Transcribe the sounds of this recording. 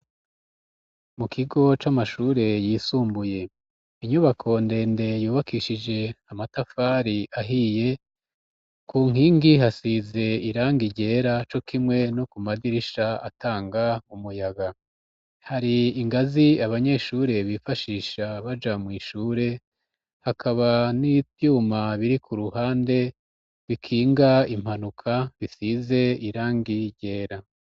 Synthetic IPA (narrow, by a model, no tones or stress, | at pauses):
mukʰiɡo̞t͡ʃamaʃuːɾe̞jiːsuːmbuje̞ | iɲuβakʰo̞nde̞ːnde̞juːβakiʃid͡ʒe̞amatafaɾiʔaɦije̞ | kuːŋ̥iːŋɡiɦasize̞iɾaːŋɡiɟe̞ːɾat͡ʃo̞kʰimŋe̞no̞kumadiɾiʃaa̰taːŋɡaumujaɡa | haɾiːŋɡaziaβaɲe̞ʃuːɾe̞βifaʃiːʃaβad͡ʒamwiːʃuːɾe̞ | hakʰaβanitjumaβiɾikʰuɾuhaːnde̞ | βikʰiːŋɡaim̥hanukʰaβisize̞iɾaːŋɡiɟe̞ːɾa